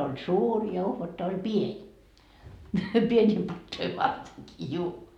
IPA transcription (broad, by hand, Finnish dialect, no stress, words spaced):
on suːr jɑ uhʋɑtːɑ olʲ pienʲ pienʲiː pɑtːoi ʋɑrteŋkiː juː